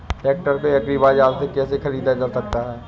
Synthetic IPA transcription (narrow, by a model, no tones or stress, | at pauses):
ɛːk̚ʈəɾkoɐkɾiːbaːd͡ʒaːlsekɛːsexɐɾiːd̪ad͡ʒəɾsɐk̚t̪aɦɛː